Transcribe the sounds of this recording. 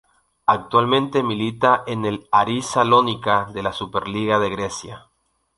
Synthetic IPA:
ak̚t̪walmẽ̞nt̪emilit̪aʔenelaɾisalonikaðe̞lasupeɾliɣaðe̞ɣɾesja

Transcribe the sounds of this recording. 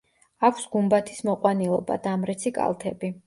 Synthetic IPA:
akʷʰsɡumbat̪ʰi̥smɔqʼwanilˠɔba̰d̪aːmɾɛt̪sʰikʼa̰lˠt̪ʰɛbi

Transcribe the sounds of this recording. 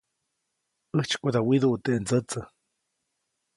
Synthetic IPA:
əht͡ʃkʷud̪awiðuʔt̪eʔnd͡zət͡sə

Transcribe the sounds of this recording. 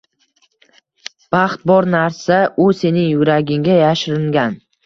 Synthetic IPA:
b̥ɑχt̪̚bɒɾnaɾsaʔʊse̞nɪŋjʊɾaɡʲɪŋɡʲajaʃɾɪŋɡʲan

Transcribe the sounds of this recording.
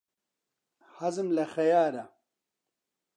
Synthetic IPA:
hɐzɨmlɐxɐjaːɾɐ

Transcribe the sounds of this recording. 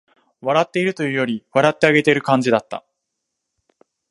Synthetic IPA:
βaɾat̪ːe̞iɾɯ̟t̪o̞jɯ̟ːjo̞ɾʲiβaɾat̪ːe̞aɡe̞t̪e̞iɾɯ̟kãɲd͡ʑid̪at̪ːa̰

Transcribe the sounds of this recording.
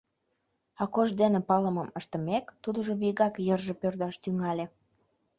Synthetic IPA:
ɑkoʒd̪enepɑləməməʃt̪ə̆mekt̪ud̪əʒoβiɣɑkjərʒepørd̪ɑʃt̪yŋɑlʲe

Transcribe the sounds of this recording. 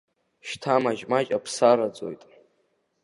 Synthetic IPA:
ʃtʰamaʒmat͡ʃʼapʰsaɾad͡zo̞̰jtʼ

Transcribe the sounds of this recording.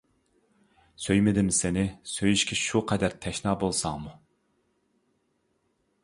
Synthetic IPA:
søjmɪd̪ɪmsɪnɪsøjyʃkʲɛʃuqʰɛd̪æɾt̪ʰɛʃnɑːbolˠsɑŋmu

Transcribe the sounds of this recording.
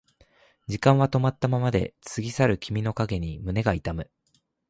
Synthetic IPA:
d͡ʑikãɰ̃βat̪o̞mat̪ːamamad̪e̞̰t͡sɨɡʲisaɾɯ̟kʲimʲino̞kaɡe̞ɲ̟imɯ̟ne̞ɡait̪amɯ̟

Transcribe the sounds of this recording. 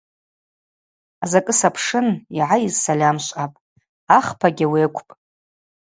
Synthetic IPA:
azakʼɨsapʰʂɨniʕaizsalʲamʃʷʼapʼ | aχpʰaɡʲawiːkʷʼʰpʼ

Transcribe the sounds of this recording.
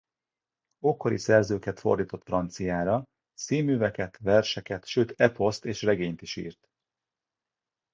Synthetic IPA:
oko̞ɾḭsɛrzøːkɛt̪fo̞̰rd̪iːt̪o̞t̪frɒnt̪sijaːɾɒ | siːmyːvɛkɛt̪vɛrʃɛkɛt̪ʃøːt̪ɛpʰo̞st̪eːʃrɛɡeːɲt̪iʃḭːrt̪

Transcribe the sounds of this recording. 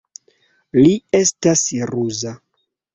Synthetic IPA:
lie̞stasɾuza

